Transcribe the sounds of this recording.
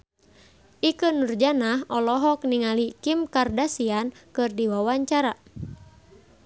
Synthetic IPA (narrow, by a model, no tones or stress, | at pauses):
ʔikənːurd͡ʒanaɦɔlɔɦɔk̚niŋalikimkardasiankɨrdiwawaɲt͡ʃaɾa